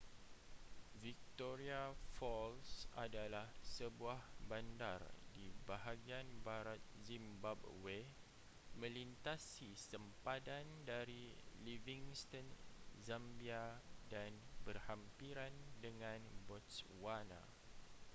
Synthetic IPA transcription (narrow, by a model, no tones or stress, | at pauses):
vik̚t̪oɾiafɔlsadalahsəbuahbandardibaɦaɡianbaɾat̪̚zimbabwe | mə̃lint̪asisəmpadandaɾiliviŋst̪ənzambiadanbərhampiɾandəŋãnbɔt̪swana̰